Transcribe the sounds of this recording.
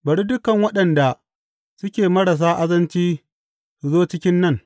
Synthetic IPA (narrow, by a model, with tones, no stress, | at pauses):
bɐ˨ɽi˦dʊ˦kɐ˨ŋwɐ˦ɗɐ˨nda˨ | sʊ˦kʲeː˨mɐ˦ɽa˨s̬aː˦ʔa˦zɐ˦nt͡ʃiː˦ | zoː˦t͡ʃɪ˦kʲɪ˦nːɐ˦˨ŋ